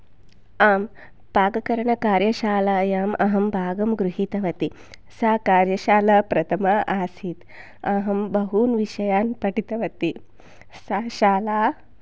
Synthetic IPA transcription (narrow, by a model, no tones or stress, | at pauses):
aːm | paːɡɐkɐɾɐɳɐkaːɾjɐʃaːlaːjaːmʔɐ̰ɦɐmbʱaːɡɐmɡɾuɦit̪ɐʋɐt̪i | saːkaːɾjɐʃaːlɐpɾɐt̪ʰɐmɐʔaːsiːt̪ | ɐɦɐmbɐɦuːnʋiʃɐjaːnpɐʈit̪ɐʋɐt̪i | saʃaːlaː